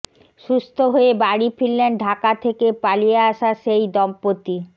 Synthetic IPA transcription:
ʃust̪ʰoɦoebaɽifilːenɖʱakat̪ʰekepalijeaʃaʃejd̪ɔmpot̪i

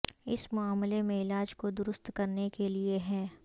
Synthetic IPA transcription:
ɪ̰smʊaːmlemẽɪlaːd͡ʒkod̪ʊɾʊst̪kɐɾnekelieɦɛː

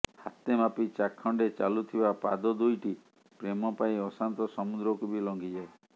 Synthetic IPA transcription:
hat̪emapit͡ʃakʰːɔɳɖet͡ʃalut̪ʰibapa̰d̪ɔd̪ujʈi | pɾemɔpaiɔsant̪ɔsɔmud̪ɾɔkubilɔŋɡid͡ʒae

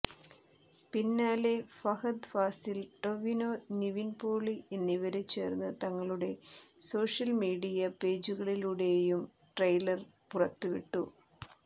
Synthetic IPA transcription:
pinːaːle̞fɐhɐd̪faːsilʈo̞ʋino̞niʋinpoːɭie̞nːiʋɐɾet͡ɕːe̞̰ːrnːɨt̪ɐŋːɐɭuɽe̞so̞ːʂɐlmiːɽijɐpe̞ːd͡ʑuɣɐɭiluɽe̞jum | ʈrɐjlɐr | purɐt̪ːuʋiʈːṵ

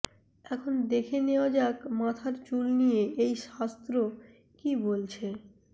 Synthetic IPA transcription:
ɛkʰond̪ekʰeneod͡ʑakmat̪ʰaɾt͡ɕulnijeʔejʃast̪ɾo | kibolt͡ɕʰe

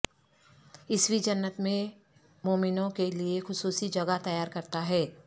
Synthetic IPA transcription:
ɪswid͡ʒɐnːət̪mẽ | moːmɪnõkeliexʊsuːsid͡ʒɐɡat̪ɐjaːɾkɐɾt̪aɦɛː

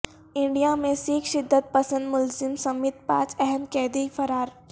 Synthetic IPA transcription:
ɪ̃ɳɖijamẽsiːkʰʃɪd̪ːət̪̚pɐsə̃nd̪mʊlzɪmsɐmɪt̪̚pa̰ːt͡ʃɛɦɛmkɛːd̪ikfɐɾaːɾ

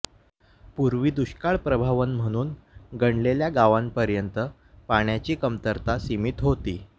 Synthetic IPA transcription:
puɾʋiːd̪uɕkaɭpɾəbʱaʋənm̤əɽ̃uːnɡəɳleljaɡaʋanpəɾjənt̪ə | paɳjat͡ɕiːkəmt̪əɾt̪asimit̪ɦot̪ḭː

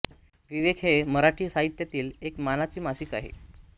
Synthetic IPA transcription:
ʋiʋekɦeməɾaʈiːsaɦit̪jat̪iːlekmanat͡ɕiːmasiːka̰ɦḛ

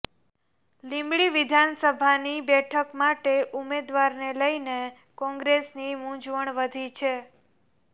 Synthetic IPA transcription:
lĩmbɭiʋid̪ʱansəbʱanibɛʈʰəkmaʈeʔumed̪ʋaɾneləine | kɔ̃ŋɡɾesnimũd͡ʒʋəɳʋəd̪ʱit͡ʃʰe

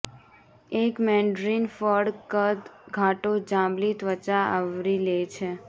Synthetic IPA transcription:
ekmɛ̃ɳɖɾinfəɖkət̪ɡʱaʈod͡ʒãmlit̪ʋət͡ʃaa̰ʋɾilet͡ʃʰe

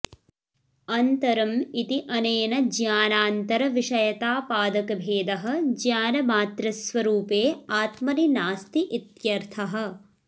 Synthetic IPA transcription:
ɐnt̪ɐɾɐmit̪iʔɐneːnɐd͡ʒjaːnaːnt̪ɐɾɐʋiʂɐjɐt̪aːpaːd̪ɐkɐbʱeːd̪ɐɦɐ̆d͡ʒjaːnɐmaːt̪ɾɐsʋɐɾuːpeːaːt̪mɐninaːst̪iʔit̪jɐɾt̪ʰɐɦɐ̆

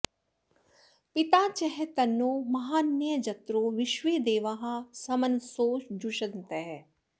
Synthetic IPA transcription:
pɪt̪aːt͡ʃɛɦet̪ɐnːoːmɐɦaːnːjəd͡ʒɐt̪ɾoʋɪʃʋeːd̪eːʋaɦãsɐmɐnsoːʃd͡ʒuʃɐnt̪ɛɦɛ

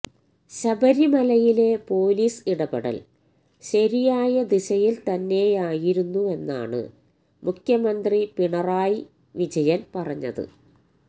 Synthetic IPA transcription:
ɕɐbɐɾimɐlɐjile̞po̞ːliːsiɽɐbɐɽɐ̰l | ɕɐɾijaːjɐd̪iɕɐjilt̪ɐnːe̞jaːjiɾunːue̞nːa̰ːɳɨ̰ | mukʰjɐmɐnd̪ripiɳɐraːji | ʋid͡ʑɐjɐnpɐrɐɲːɐ̰ðɨ̰

